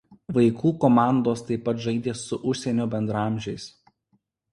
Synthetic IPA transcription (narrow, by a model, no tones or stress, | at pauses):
ʋɐɪkʰuːkɔmɑˑnd̪oːst̪ɐɪpːɐt̪ʒɐɪd̪ʲeːsːʊʔʊʃʲsʲɛnʲoːbʲɛnd̪ɾɑˑmʲʒʲɛɪs